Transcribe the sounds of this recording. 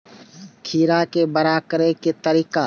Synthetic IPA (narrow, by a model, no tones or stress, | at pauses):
kʰiːɾakebəɾaːkɾeket̪əɾiːqa